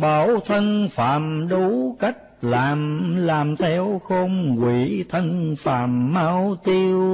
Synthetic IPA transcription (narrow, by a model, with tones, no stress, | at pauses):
ɓa˨˩wt̪ʰə˧nfaː˨˩mɗu˨˦ka˦˥jk̚laː˨˩mlaː˨˩mt̪ʰɛ˧wxo˧ŋ͡mkwi˧˩˦t̪ʰə˧nfaː˨˩mːaː˧wt̪i˧w